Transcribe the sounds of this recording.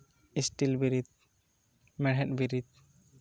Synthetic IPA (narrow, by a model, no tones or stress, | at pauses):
isʈilbiɾit̪̚ | mɛɽɦɛʈ̚biɾit̪̚